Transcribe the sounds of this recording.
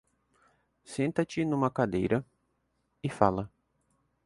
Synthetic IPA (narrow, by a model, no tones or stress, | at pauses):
sẽnt̪ɐt͡ʃɪnũmɐkad̪ḛjɾʔɐ | ɪfalɐ